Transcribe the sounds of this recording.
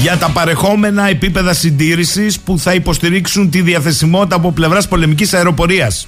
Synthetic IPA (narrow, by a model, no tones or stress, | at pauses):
ʝɐt̪ɐpɐɾe̞xo̞me̞nɐe̞pipe̞ðɐsind̪iɾisispuθɐipo̞st̪iɾiksunt̪iðiɐθe̞simo̞t̪it̪ɐpo̞ple̞vɾɐspo̞le̞micisɐeɾo̞po̞ɾiɐs